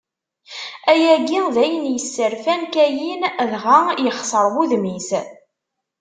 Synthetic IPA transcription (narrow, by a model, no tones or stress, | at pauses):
æjæɡiðæjənjəsːəɾfænkæjinðʁajəχsˤəɾˤwuðmis